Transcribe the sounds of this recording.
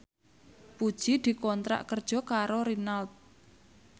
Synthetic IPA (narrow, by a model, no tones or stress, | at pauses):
pud̥ʒ̥id̪̥i̤kɔnt̪ɾa̰ʔkərd̥ʒ̥ɔ̤kaɾoɾinalt̪̚